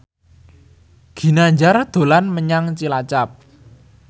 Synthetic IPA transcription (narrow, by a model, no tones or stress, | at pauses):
ɡ̥i̤naɲd͡ʒard̪̥o̤lanməɲaŋt͡ʃilat͡ʃap̚